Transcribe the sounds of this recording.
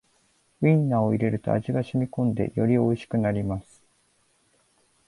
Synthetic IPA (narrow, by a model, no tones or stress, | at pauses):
ĩnːaoiɾe̞ɾɯ̟t̪o̞̰a̰ʑiɡaɕimʲikõ̞nd̪e̞̰jo̞ɾʲio̞iɕi̥kɯ̟naɾʲimasɨ̥